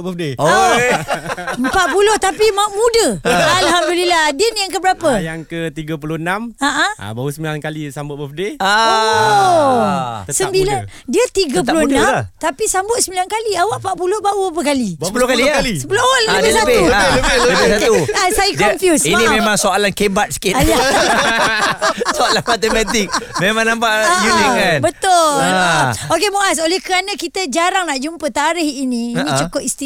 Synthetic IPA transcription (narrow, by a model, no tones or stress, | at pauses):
bəfdeoo | əmpat̪̚puloht̪apimaʔmũdəalɦamduliladinjaŋkəbəɾapəjjaŋkət̪iɡəpulonamaʔaa̰bausəmilankalisambʊt̪̚bəfdeo | səmbilan | diət̪iɡəp̬ulonnãmt̪apisambʊt̪̚səmilankaliawaʔpaʔpulohbauapəkaliəpulokalialisə̥puloawaʔldiələbɪ | əbɪsat̪uasajikmfjusinĩmemãŋsoalankebat̪̚sə̥kɪtja | soalanmat̪emat̪ik̚memãŋnãmpaʔjunikanbət̪ʊ | okemoʔas̬olɛhkəɾanə̃kit̪əd͡ʒaɾaŋnaʔd͡ʒumpət̪aɾɪɦinĩːnĩt͡ʃukʊʔist̪i